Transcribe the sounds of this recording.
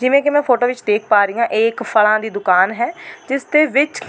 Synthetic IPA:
d͡ʒɪʋẽːkɪmɛ̃ːpʰoːʈoːʋɪt͡ʃd̪eːk̚ʰpaːɾiːãːʔeːkpʰəlãːd̪iːd̪ʊkaːnɦɛːd͡ʒɪsd̪eːʋɪt͡ʃ

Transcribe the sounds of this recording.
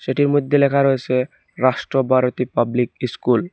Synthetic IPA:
ʃeʈiɾmod̪ʱːelɛkʰaɾojet͡ɕʰe | ɾaʃʈɾobʱaɾot̪ipablik̚iskul

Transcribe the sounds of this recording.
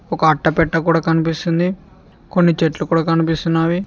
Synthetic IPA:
ɔkɐːʈːɐpɛʈːɐkuːɽaːkɐnipist̪und̪i | konːit͡ʃeʈlukuːɽaːkɐnipist̪unːaːʋi

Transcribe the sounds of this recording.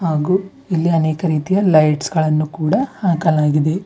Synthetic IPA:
haːɡu | ilːiɐneːkɐɾiːt̪ijɐlɐjʈsɡɐɭɐnːukuːɽɐhaːkɐlaːɡid̪e̞

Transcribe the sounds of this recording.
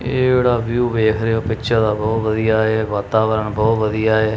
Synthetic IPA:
eːeːɽaːʋjuːʋeːkʰɾeoːpɪt͡ʃʰãd̪aːbɔːt̪ʋəd̪ijaːɦeːʋaːt̪aːʋəɾəɳbɔːt̪ʋəd̪ijaːeː

